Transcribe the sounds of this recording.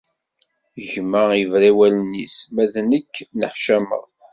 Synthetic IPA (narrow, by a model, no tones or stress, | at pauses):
ʒmːəivɾawælnːḭsmæðnəkːnəħʃæmə̰ʁ